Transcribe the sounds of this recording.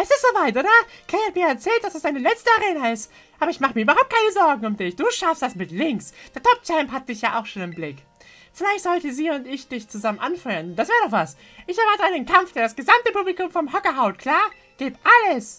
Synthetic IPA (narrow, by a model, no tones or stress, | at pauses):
ʔɛsɪstz̥oːvaɪtʔoːɾɐkʰɛhat̚miːɐɛɐt͡sɛːlt̚d̥asd̥asd̥aɪnəlɛt͡stəaʁeːnaɪst | ʔaːbɐɪçmaχəmiɐyːbɐɦaʊp̚kʰaɪnəzɔɐɡŋ̩ʊmdɪçd̥uːʃafstd̥asmɪtlɪŋksd̥eːɐtʰɔp̚t͡ʃɛmpɦat̚d̥ɪçjaːʔaʊxʃoːnɪnblɪk | fɪlaɪçtz̥ɔltəziːʊntɪçd̥ɪçt͡suzamənʔanfɔʏɐənd̥asveːɐdɔχv̥as | ʔɪçɐvaɪtəʁədeːnkʰamfd̥eːɐdasɡ̥əzamtəpuːblikʊmfɔmɦɔkɐɦaʊt̚kʰl̥aːɐ | ɡ̥eːpʔaləs